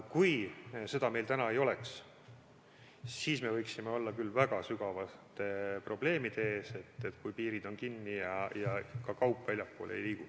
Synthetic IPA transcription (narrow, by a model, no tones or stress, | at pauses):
kujse̞d̪̥ɑme̞jlt̪ænɑe̞jo̞leks | siːsme̞vɤjksimeo̞lːɑkylːvæɡ̥ɑsyɡɑvɑt̪ːˑepro̞ble̞ːmid̪̥e̞e̞ːse̞t̪ːˑet̪kujpiːɾid̪̥o̞nkinːijɑjɑkɑkɑwpːˑvælʲjɑpːo̰ːlḛjliːku